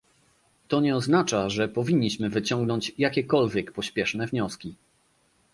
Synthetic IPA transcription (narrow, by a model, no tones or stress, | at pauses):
t̪ɔɲɛɔznat͡ʂaʐɛpɔvʲiɲːiɕmɘvɘt͡ɕɔŋɡnɔɲt͡ɕjakʲɛkɔlvʲjɛkpɔɕpʲjɛʂnɛvɲɔskʲi